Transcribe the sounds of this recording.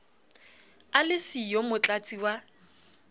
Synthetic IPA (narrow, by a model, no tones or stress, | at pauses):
alɪsijomʊt͡ɬʼat͡sʼiwa